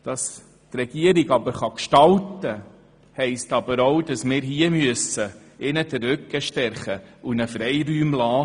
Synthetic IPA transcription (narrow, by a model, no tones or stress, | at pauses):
d̥ɑs | trɛɡ̥iəɾiɡɑbəɾχɑkʃtɑltə | hɛɪstɑbəɾowd̥ɑsmɪːɾɦiːəmyəsə | ɪnədərʏkːəʃtɛɾχəunəfɾɛɪɾyːmlɑː